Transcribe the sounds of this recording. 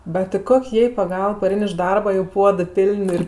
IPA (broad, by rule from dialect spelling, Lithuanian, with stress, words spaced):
bʲɛt tʲɪ ˈkoːkʲ ˈjɛɪ pɐˈɡɐlˠp pɐˈrʲɛɪn ɪʃ ˈdɐrbɐ joː ˈpuɔdɜ ˈpʲɪlʲnʲ ɪr